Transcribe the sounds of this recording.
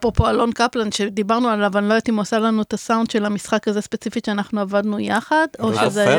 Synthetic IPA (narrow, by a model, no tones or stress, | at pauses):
pʁopo̞alo̞nkaplanʃed̪ibaʁnualavanlojot̪imosalanuetasawnd̪ʃe̞lamisχakaze̞spe̞t͡sifiʃeanaχnuavadnujaχadoʃeze